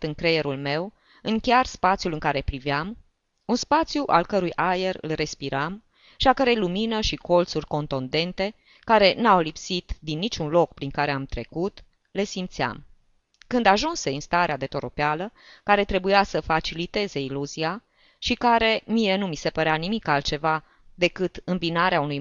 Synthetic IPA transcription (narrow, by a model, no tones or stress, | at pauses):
t̪ɨŋkɾe̞je̞ɾulme̞w | ɨŋkʲearspat̪sijulɨŋkaɾe̞pɾiveam | unspat̪sʲjuʔalkəɾujʔaje̞rɨ̰lre̞spiɾam | ʃiakəɾejluminəʃiko̞lt̪surʲko̞nt̪ond̪e̞nt̪e̞ | kaɾe̞nawlipsit̪d̪inːit͡ʃunlo̞kpɾiŋkaɾe̞amt̪ɾe̞kut̪ | le̞simt̪sia̰m | kɨnd̪aʒunse̞ɨnst̪aɾead̪e̞t̪o̞ɾo̞pealəkaɾe̞t̪ɾe̞bujasəfat͡ʃilit̪e̞ze̞iluzia | ʃikaɾe̞mije̞numise̞pəɾeanimikalt̪̚t͡ʃe̞va | d̪e̞kɨt̪ɨmbinaɾeaunuj